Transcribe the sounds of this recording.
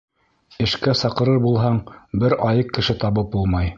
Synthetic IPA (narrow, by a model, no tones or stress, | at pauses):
ɘ̆ʃkæsɑqɤ̆ɾɤɾbulˠɦɑɴbɘɾɑjɤqkːɘ̆ʃɘt̪ɑβɤp̚bulˠmɑj